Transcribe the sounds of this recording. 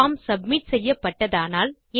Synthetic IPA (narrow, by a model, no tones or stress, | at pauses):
aːmsɐbmɪʈsɛjːɐpːɐʈːɐðaːnaːl | e